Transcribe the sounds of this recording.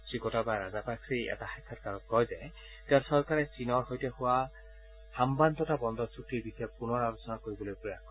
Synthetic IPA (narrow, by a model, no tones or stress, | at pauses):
sɹikɔtabaɹazapaksiɛ̰taxakʰːatkaɹɔt̚kɔjza | teasɔɹkaɹɛsinɔɹhojtɛhʊwa | hambantɔtabɔndɔsukiɹbisɔɛpunɔɹalosɔnakoɹibɔlojpɹɔjakʰɔ